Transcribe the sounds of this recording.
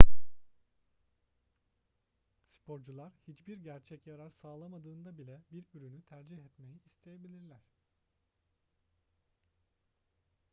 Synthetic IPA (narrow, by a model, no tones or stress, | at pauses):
spʰo̞ɾd͡ʒulˠaɾhit͡ʃbiɾɟæɾt͡ʃʰɛcjaɾaɾsaːlˠamad̪ɯːnd̪abilʲɛbiɾyɾynyt̪ʰæɾd͡ʒihɛt̪me̞jiːst̪ʰe̞je̞bilʲiɾlʲæɾ̥